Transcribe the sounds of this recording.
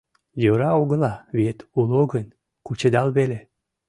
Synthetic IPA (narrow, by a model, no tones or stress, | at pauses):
joɾɑoɣə̆lɑβet̪uloɣən | kut͡ɕed̪ɑlβele